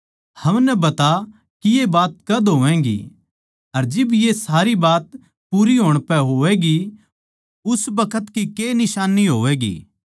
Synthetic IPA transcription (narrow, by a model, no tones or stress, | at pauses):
hɐmnɛbɐt̪a | kijebaːt̪̚kɐd̪ɦoːʋɛ̃ːɡḭ | ɐɾd͡ʒɪbjesaːɾibaːt̪ | puːɾiɦoːɽ̃pɛɦoːʋɛɡi | ʊsbɐkʰət̪kikeːnɪʃaːnːiɦoːʋɛːɡḭː